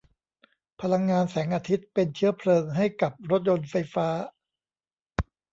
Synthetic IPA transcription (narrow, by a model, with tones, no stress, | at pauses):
pʰa˧la˧ŋːaː˧nsɛː˩˦ŋʔaː˧t̪ʰi˦˥t̪̚pe˧nt͡ɕʰɯ˦˥ɐpʰlɤː˧ŋɦa˥˩jka˨˩p̚ɾo˦˥t̪̬̚jo˧nfa˧jfaː˦˥